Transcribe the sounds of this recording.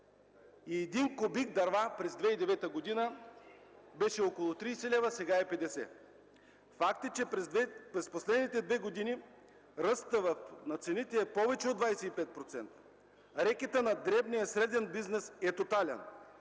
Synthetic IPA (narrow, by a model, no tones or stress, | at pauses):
iɛd̪inkobiɡd̪ɐɾvapɾɛzd̪vɛid̪ɛvɛt̪əɡod̪inə | bɛʃɛɔkolˠot̪ɾijsɛlɛvəsɛɡaɛpɛd̪ɛsɛ̰ | fakt̪ət͡ʃɛpɾɛsposlɛd̪nit̪ɛd̪vɛɡod̪ini | ɾəst̪əvɐfnɐt̪sɛnit̪ɛːpɔvɛt͡ʃɛod̪vajsɛipɛt̪̚pɾot̪sɛnt̪ə̥ | ɾɛkɛt̪ənɐd̪ɾɛbnijəsɾɛd̪ɛnbiznɛsɛt̪ot̪alʲɛ̰n